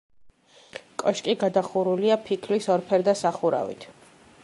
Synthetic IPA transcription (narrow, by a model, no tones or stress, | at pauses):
kʼɔʃkʼiɡad̪aχuɾuliapʰikʰlisɔɾpʰɛɾd̪asaχuɾa̰vḭt̪ʰ